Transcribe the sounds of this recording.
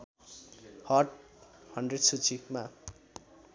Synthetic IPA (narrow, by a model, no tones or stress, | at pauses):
hʌʈ̚hʌnɖreɖsut͡sʰima